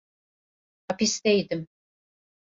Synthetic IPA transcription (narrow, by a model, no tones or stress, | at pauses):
apisd̪ejd̪ɪm